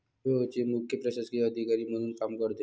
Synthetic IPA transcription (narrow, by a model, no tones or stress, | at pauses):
ʋeɦot͡ɕimukʰjəpɾəseskiəd̪ʱikaɾiːm̤əɽ̃uːnkamkəɾt̪e